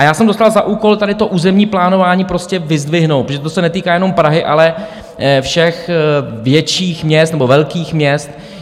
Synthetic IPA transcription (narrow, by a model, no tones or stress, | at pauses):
ʔajaːsɛmdo̞st̪alzaʔuːko̞lt̪adɪt̪o̞ʔuːzɛmɲiːplaːno̞vaːɲiːpɾo̞scɛvɪzdvɪɦnowt̪pɾoʒɛt̪osɛnɛt̪iːkaːjɛno̞mpɾaɦɪʔa̰lɛ | fʃɛxvjɛt͡ʃiːxmɲɛst̪nɛbovɛlkiːxmɲɛst̪